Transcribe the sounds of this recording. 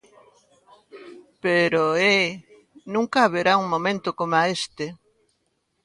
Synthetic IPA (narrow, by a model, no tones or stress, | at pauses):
peɾoe | nũŋkaːβeɾauŋmomẽnt̪okomaest̪e